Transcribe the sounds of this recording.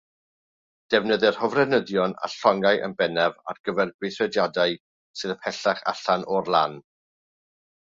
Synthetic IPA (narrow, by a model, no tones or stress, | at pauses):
d̥ɛvnəðɨr̥hɔvrɛnəðjɔna̰ɬɔŋajʔə̰nbɛnɛva̰rɡ̥əvɛrɡwɪθɛdjadaɨ | sɨðəpʰɛɬaχa̰ɬanʔɔrlˠan